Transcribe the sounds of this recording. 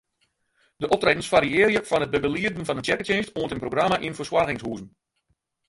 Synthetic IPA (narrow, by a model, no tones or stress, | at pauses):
dəʔɔp̚treːdən̩sfaɾiɪːɾjəfɔnət̚bəbəliədn̩fɔnəntjɛkətenstoəntənproɡramaʔinfəswarɣɪŋshuːzn̩